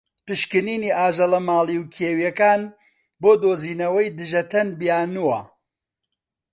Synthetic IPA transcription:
pɨʃkɨniːniːʔaːʒɐlɐmaːliwkʰeːwjɛkaːn | boːd̪oːziːnɐwɐjd̪ɨʒɐt̪ʰɐnbijaːnuwɐ

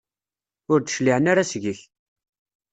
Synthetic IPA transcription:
ʊɾd̪ə̥ʃliʕənaɾasʝəç

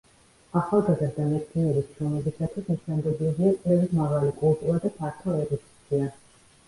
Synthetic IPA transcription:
aχalˠɡazaɾd̪amɛsʰt̪ʰinɛbisʃɾɔmɛbisat̪ʰwisɛsɛnd̪ɛbiuliap̪ʼɛvimavalikʼulˠt̪ʼuɾad̪apʰaɾt̪ʰɔɛɾɔt̪ʰʼi̥sʰia

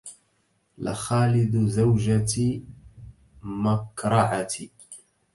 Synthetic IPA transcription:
la̰xaːlɪd̪zawd͡ʒat̪ | makɾˤɑʕat̪i

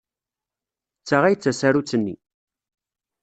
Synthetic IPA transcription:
t͡sːaʁæjt͡sːæsæɾut͡sːənːḭ

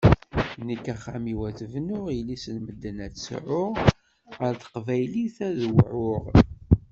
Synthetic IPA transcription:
nəkːæχːæmiwæθəvnʊʁilisənməd̪ːənætsʕʊʁ | əɾθə̥qvæjliθæðwʕʊʁ

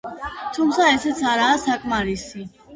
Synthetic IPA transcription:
t̪ʰumsaɛsɛsʰaɾasakʼmaɾisi

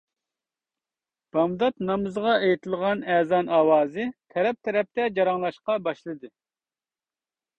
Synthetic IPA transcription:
b̥ɑmd̪ɑt̪nɑmɨzʁɑejit̪ʰɨlˠʁɑnɛːzɑnɑːwɑːzɨt̪ʰɛɾɛp̚t̪ʰɛɾɛp̚t̪ɛd͡ʒɑɾɑŋlˠɑʃqɑbɑʃlˠɨd̪ɨ

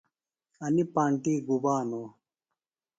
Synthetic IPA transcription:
ɐnipaːɳʈiːɡubaːnoː

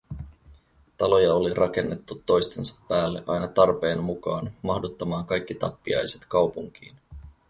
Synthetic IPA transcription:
t̪ɑlo̞jɑo̞lirʔɑk̟e̞nːe̞t̪ːut̪ːo̞jst̪e̞nsɑ̥pːæːlːeʔɑ̰jnɑt̪ɑrpe̞ːnmukɑːnmɑhdut̪ːɑmɑːŋkɑjk̟ːit̪ɑpːiɑ̰jse̞t̪kɑwpuŋk̟ḭːn

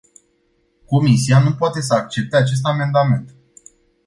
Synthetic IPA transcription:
ko̞misianupoat̪e̞s̬əak̚t͡ʃe̞p̚t̪eat͡ʃe̞s̬t̪ame̞nd̪ame̞nt̪

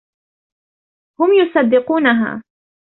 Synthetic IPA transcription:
hʊmjʊsˤɑd̪ːɪquːnaɦa̰ː

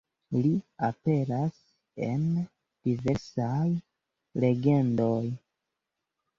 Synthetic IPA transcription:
liape̞ɾas | e̞̰n | d̥ive̞ɾsaj | le̞ɡe̞ndoj

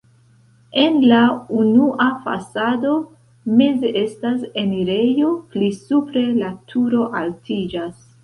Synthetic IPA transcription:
e̞nlaunuʔafa̰sado̞ | me̞zeʔe̞stase̞niɾe̞jo̞plisupɾe̞latʰuɾo̞ʔaltʰid͡ʒas

